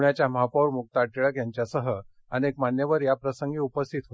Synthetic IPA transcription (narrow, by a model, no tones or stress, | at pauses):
ɳjat͡ɕjamapowɾmuk̚t̪aʈiɭəkjaɲt͡ɕjasəɦə | aniekmanjəʋəɾjapɾəsəŋɡiːupəst̪ʰit̪ɦo